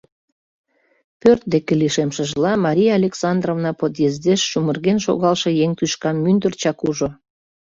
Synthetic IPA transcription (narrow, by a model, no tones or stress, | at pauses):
pørt̪̚d̪ekeliʃemʃə̆ʒlɑmɑɾʲijɑːlʲeksɑnd̪rovnɑpot̪̬jezd̪eʃːumərɣenʃo̰ɣɑlʃĕjeŋt̪yʃkɑmːynd̪ərt͡ɕɑkuʒo